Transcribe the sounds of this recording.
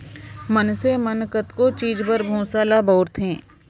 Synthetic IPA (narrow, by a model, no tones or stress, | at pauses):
mənsemənkət̪kot͡ʃiːd͡ʒpəɾbʱõːsaːlabɔːɾt̪ʰɦẽː